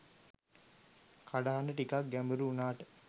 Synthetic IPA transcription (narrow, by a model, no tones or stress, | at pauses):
kʰaɖaɦanəʈikak̚ɡæmbuɾuunaːʈə̥